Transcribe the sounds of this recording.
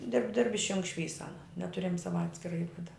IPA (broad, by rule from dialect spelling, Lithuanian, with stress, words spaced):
dʲɪrp dʲɪrp ˈɪʃʲjʊŋk ˈʃʲʋʲiːsɐ ɐˈnɐ nʲɛˈtʊrʲɛm ˈsɑːʋɐ ˈɑːtʲsʲkʲɪrɐ ˈɪʋɐdɐ